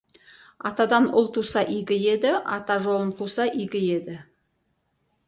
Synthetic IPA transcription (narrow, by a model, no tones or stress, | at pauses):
ɑ̰t̪ɑd̪ɑnʊ̰lˠt̪ʰusɑʔijɡʲɪje̞d̪ɪʔɑ̰t̪ɑʒo̞lˠənt̪ʰusɑʔijɡʲɪje̞d̪ɪ